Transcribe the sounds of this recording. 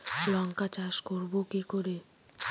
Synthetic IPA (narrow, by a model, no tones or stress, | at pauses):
ʃuɔŋkat͡ɕaʃkoɾbokikoɾe